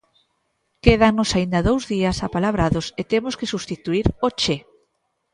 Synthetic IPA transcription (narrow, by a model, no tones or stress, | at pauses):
keðanosaind̪aðowzðiasapalaβɾaðoset̪emʊskesust̪it̪uiɾot͡ʃe